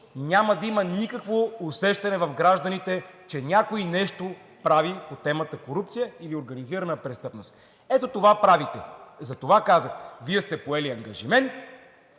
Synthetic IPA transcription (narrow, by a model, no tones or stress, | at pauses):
nʲamɐd̪ɐimənikəkvoːsɛʃt̪ɐnɛvɐfɡɾaʒd̪ɐnit̪ɛt͡ʃɛnʲakoinɛʃt̪o | pɾavipot̪ɛmət̪əkoɾupt̪sijəilioɾɡɐniziɾɐnəpɾɛst̪ɤpnost̪ | ɛt̪ot̪ovapɾavit̪ɛzɐt̪ovakazəxviɛst̪ɛpoɛliɐŋɡɐʒimɛnt̪